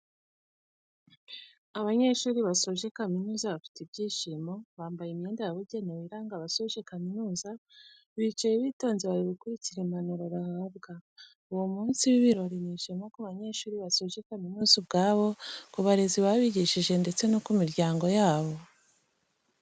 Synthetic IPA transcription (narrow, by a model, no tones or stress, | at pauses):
aβaɲe̞ʃuːɾiβaso̞ʒe̞kaminuːzaβafi̥tibɟiːʃimo̞βaːmbajemje̞ːndejaβuɟe̞newiɾaːŋɡaβasoʒe̞kaminuːza | βit͡ʃajeβito̞ːnziβaɾiβikuɾiciɾemanoɾoɾahabɡa | uwomuːnsiwiβiɾo̞ɾiniʃimokaβaɲe̞ʃuːɾiβasoʒe̞kaminuːzobɡaːβo̞kuβaɾeziβaβiɟiʃiʒe̞nde̞t͡se̞nokumiɾɟaːŋɡo̞jaːβo̞